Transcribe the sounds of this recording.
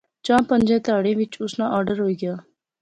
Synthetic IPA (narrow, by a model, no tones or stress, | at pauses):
t͡ʃãːpə̃nd͡ʒɛ̃ːt̪aːɽẽːʋɪt͡ʃʊsnãːʔaːɾɖəɾɦoːiːɡɪjaː